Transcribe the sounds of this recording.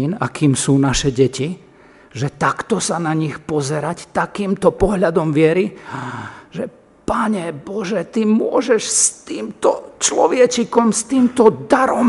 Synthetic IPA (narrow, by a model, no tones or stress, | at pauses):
inakiːmsuːnaʃɛɟɛci | ʒɛt̪akt̪ɔsanaɲixpɔzɛɾact̪akiːmt̪ɔpɔɦʎad̪ɔmʋɪɛɾi | ʒɛ | paɲɛbɔʒɛt̪imʊɔʒɛʃst̪iːmt̪ɔt͡ʃlɔʋɪɛt͡ʃikɔmst̪iːmt̪ɔd̪aɾɔm